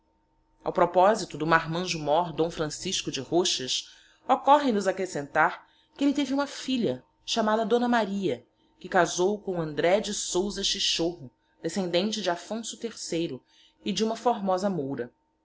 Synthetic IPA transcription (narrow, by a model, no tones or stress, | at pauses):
a̰wpɾɔpɔzit̪ʊd̪ʊmaɾmɐ̃ʒumɔɾd̪õw̃fɾɐ̃siʃkʊd͡ʒɪhoʃɐs | ɔkɔɦẽnʊzakɾesẽnt̪aɾ | kɪelɪt̪evɪũmɐfiʎɐ | ʃamad̪ɐd̪õnɐmaɾiɐ | kɪkazowkõɐ̃nd̪ɾɛd͡ʒɪsowzɐʃiʃoɦʊ | d̪esẽnd̪ẽnt͡ʃɪd͡ʒɪafõsʊt̪eɾsejɾʊ | ɪd͡ʒɪũmɐfoɾmɔzɐmowɾɐ